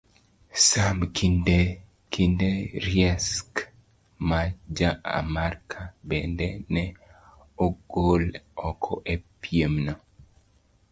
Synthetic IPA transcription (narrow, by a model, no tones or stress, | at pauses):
samkʰindɛ | kʰindɛɾjɛsk | mad͡ʒaa̰markʰabɛndɛnɛ | oɡolɔkʰɔʔɛpʰjemnɔ